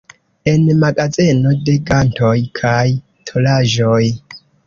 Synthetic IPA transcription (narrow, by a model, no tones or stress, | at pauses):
e̞nmaɡazeno̞de̞ɡanto̞jkʰaj | tʰo̞laʒo̞j